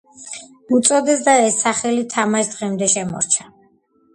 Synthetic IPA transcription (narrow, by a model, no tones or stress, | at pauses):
ut̪sʼɔd̪ɛs̬d̪aɛsːaχɛlit̪ʰamaʃd̪ʁɛmd̪ɛʃɛmɔ̰ɾt͡ʃʰa